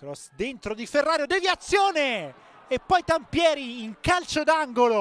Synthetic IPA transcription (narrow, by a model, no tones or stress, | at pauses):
kɾɔsd̪ent̪ɾod̪iferːaːɾjod̪eviat̪sːjoːne | epːɔjt̪ampjɛːɾiːŋkalt͡ʃod̪aŋɡolo